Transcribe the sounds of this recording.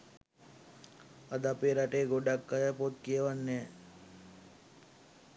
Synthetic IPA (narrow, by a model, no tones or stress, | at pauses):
ad̪apeɾaʈeːɡoɖakːajəpot̪kijəʋanːɛː